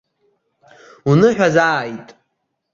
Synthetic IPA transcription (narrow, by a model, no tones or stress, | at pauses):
unɨħᶣazaːjtʼ